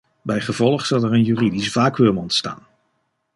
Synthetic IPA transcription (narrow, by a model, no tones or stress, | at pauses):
bɛjχəvɔlˠəχsɑlˠɛrənjyridisv̥aːkʋøləmɔntsta̰ːn